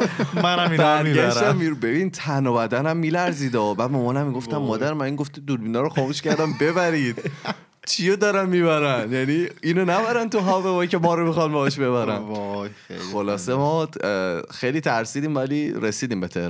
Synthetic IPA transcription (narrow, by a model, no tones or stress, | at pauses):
mænæbæɾɡæʃæmːiɾbebint̪ʰænobæd̪ænæmːilæɾziːd̪ɒbæːd̪̚momɒːnæmːiɡo̞ft̪æmːɒːd̪æɾmæniːŋɡoft̪id̪ulbinɒɾoχxɒːmuʃcæɾd̪æmbe̞βæɾiːd̪̥ | t͡ʃʰijod̪ɒɾænmiːbæɾænjæniːinonæbæɾænt̪uɦɒːvebɒːcemɒːɾomixɒnbɒɛʃbe̞βæɾæn | xolɒːsemɒː | xejliːt̪ʰæɾsiːd̪iːmvæliɾesiːd̪iːmbet̪ʰḛhɾ